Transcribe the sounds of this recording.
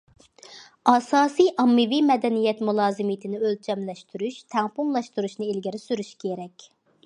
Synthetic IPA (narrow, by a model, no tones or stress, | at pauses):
ɑsɑːsijʔɑmːɪvimɛd̪ɛnijɛt̪mulˠɑːzɨmit̪ʰɪnɪølt͡ʃʰɛmlɛʃt̪ʰyɾyʃt̪ʰɛŋpumlˠɑʃt̪uɾuʃnɨilɡʲiɾɪsyɾyʃkʰʲeɾɛkʲ